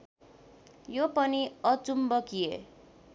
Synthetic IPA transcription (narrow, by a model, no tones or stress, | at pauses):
jopʌniʌt͡sumbʌkiḛ